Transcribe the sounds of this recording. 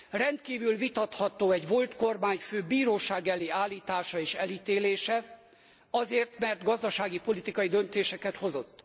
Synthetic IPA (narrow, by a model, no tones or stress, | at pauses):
rɛnt̪kiːvylvit̪ɒt̪hɒt̪oːɛɟvo̞lt̪ko̞rmaːɲføːbiːɾoːʃaːɡɛleːaːlːiːt̪aːʃɒeːʃɛliːt̪eːleːʃɛ | ɒzeːrt̪mɛrt̪ɡɒzd̪ɒʃaːɡipo̞lit̪ikɒjid̪ø̞nt̪eːʃɛkɛt̪ho̞zo̞t̪ː